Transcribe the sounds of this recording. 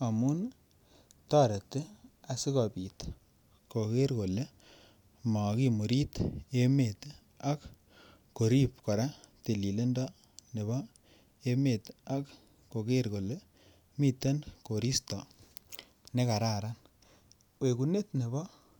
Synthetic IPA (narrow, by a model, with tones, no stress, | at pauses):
a˨mu˦n | tɔ˦ɾe˨te˦a˨si˦kɔ˨pi˨t | ko˨ke˦ɾko˨le˦ | ma˨ki˦mu˨ɾi˦te˦me˨t | a˦kː | o˨ɾi˦p̚kɔ˨ɾa˦te˨li˨le˦ndɔ˦ | ne˨βɔ˦ | e˦me˨ta˦k | ko˨ke˦ɾko˨le˦ | mi˦te˦nko˨ɾi˦stɔ˨ | ne˦ka˨ɾa˦ɾa˦n | we˨ku˨ne˦tne˨bɔ˦